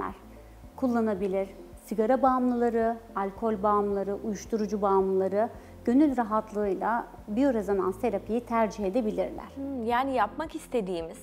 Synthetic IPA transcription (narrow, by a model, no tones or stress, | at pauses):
æ̰ɾ̥ | kʰulˠːanabilʲiɾ̥siɡaɾabaːmlˠɯlˠaɾɯalʲkʰo̞lʲbaːmlˠaɾɯʔujuʃt̪ʰuɾud͡ʒubaːmlˠɯlˠaɾɯ | ɟ̥ø̞nylʲɾaɦat̪ʰlˠɯːɯjlˠa | bijoɾazama̰nse̞ɾapʰijit̪ʰæɾd͡ʒihe̞d̪e̞bilʲiɾlʲæ̰ɾ̥jaːnijapmakist̪ʰe̞d̪iːmiz̥